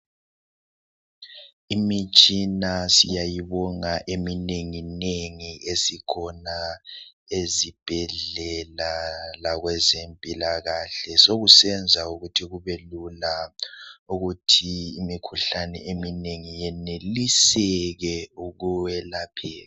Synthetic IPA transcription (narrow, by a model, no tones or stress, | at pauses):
imit͡ʃʼinasijajiβɔŋaʔemineŋineŋiʔesikʰɔna | ezib̥ʱɛɮɛlalaɣwɛzempʼilaɣaɬɛsoɣusɛnd͡zʱauɣutʰiɣuβɛlula | uɣutʰiːmikʰuɬanɛemineŋijɛnelisɛɣɛuɣuwɛlapʰɛːla